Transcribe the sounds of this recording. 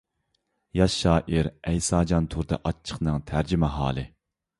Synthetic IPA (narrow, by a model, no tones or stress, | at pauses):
jɑʃːɑːʔiɾɛjsɑːd͡ʒɑnt̪ʰuɾd̪ɨ̰ʔɑt͡ʃʰːə̥χnɨŋt̪ʰæɾd͡ʒimɛɦɑ̰ːlˠɨ̰